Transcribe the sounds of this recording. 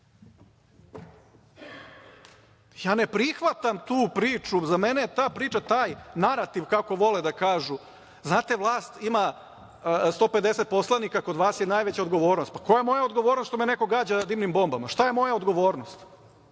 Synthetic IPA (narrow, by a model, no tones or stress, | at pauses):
jaːnepɾixʋat̪amt̪uːpɾiːt͡ʃuzamenejet̪aːpɾiːt͡ʃat̪aːjnaɾat̪iʋkako̞ʋo̞led̪akaːʒu | znaːt̪e̞ʋlˠaːst̪ima | st̪o̞ːpe̞d̪e̞set̪̚po̞slˠanikako̞d̪ʋaːsjenaːjʋet͡ɕaod̪ɡo̞ʋo̞ːɾno̞st̪̚pako̞jajemo̞jaod̪ɡo̞ʋoɾnosʃt̪omeneko̞ɡaːd͡ʑad̪iːmnimbo̞mbamaʃt̪ajemo̞jaod̪ɡoʋo̞ːɾnost̪